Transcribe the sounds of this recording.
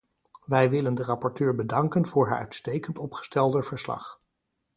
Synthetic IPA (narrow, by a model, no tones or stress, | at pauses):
ʋɛjʋɪləndərɑpɔɹtøːɹbədɑŋkənvʊːɹɦaːɹœ̰ɥtstejkəntɔpχə̥stɛlˠdəv̥əɹslɑ̰χ